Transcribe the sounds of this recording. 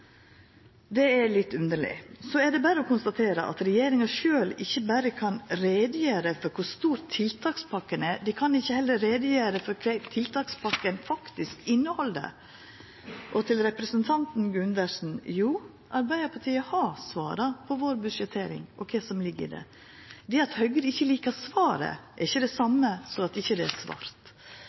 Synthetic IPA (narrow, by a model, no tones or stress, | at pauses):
d̪ɛælɪt̪ːʉnd̪əɭɪ̰sɔɛɖ̪ɛbæɾəɔkʊnst̪ɑt̪ʰeːɾə̰ʔɑ̰t̪ɾɛjeːɾɪŋɑʂøːlɪçːəbæɾəkʰɑnɾeːd̪əjøːɾəfɔɾkʰʊɾst̪uːɾtt̪ʰːɪlt̪ʰɑːkspʰɑkːənɛd̪ɪkʰɑnɪçːəhɛlːəɾeːd̪əjøːɾəfɔɾkʰɛt̪ʰɪlt̪ʰɑːkspʰɑkːənfɑkt̪ɪskɪnːəhɔld̪ə̰ | ʔɔt̪ʰɪlɾɛpɾɛsənt̪ʰɑnt̪n̩ɡʉnd̪əʂn̩juː | ʔɑɾbæɪd̪əɾpʰɑɾʈʰiːəhɑsʋɑ̰ːɾɑpʰɔʋoːɾbʉʂɛt̪ʰːeːɾɪ̰ŋʔɔ̰kʰɛɪsɔmlɪɡːə̰d̪ɛ̰ | d̪ɛɑt̪hœɡəɾɪçːəliːkəsʋɑːɾə̰ʔɛɾɪçːəd̪ɛsɑmːəsɔɑt̪ɪçːəd̪ɛæsʋɑ̰ːɾt̪